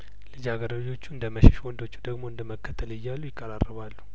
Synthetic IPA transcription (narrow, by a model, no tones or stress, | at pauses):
lɨd͡ʒaɡəɾawd͡ʒo̞t͡ʃːuɨnd̪əməʃɛʃwɔnd̪o̞t͡ʃːu̥d̪əɡmo̞ɨnd̪əməkːət̪ʰːəlɪjːalːujɪkʼːəɾarːəβalːu̥